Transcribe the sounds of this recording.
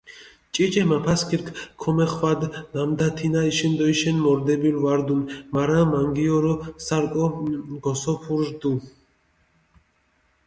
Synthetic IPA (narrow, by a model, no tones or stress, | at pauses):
t͡ʃʼit͡ʃʼɛmapʰaskʰiɾkʰkʰɔmɛχvad̪namd̪at̪ʰinaiʃɛnd̪ɔjʃɛnmɔɾd̪ɛbilvaɾd̪unmaɾamaŋɡiɔɾɔsaɾkʼɔɡɔsɔpʰuɾʒd̪u